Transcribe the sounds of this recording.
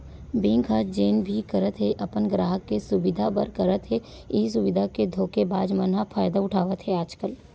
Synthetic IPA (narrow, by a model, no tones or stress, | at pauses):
beːŋkʰaːd͡ʒeːnbʱikɐɾət̪ɦeʔɐpənɡɾaːɦəkːesʊbɪd̪ʱapəɾkəɾət̪ɦɛ | ɪɦis̬ʊʋɪd̪ʱaked̪ʱoːkebaːd͡ʒmənɦafʰaːjd̪aʊʈʰaːʋət̪ɦɛaːd͡ʒkəl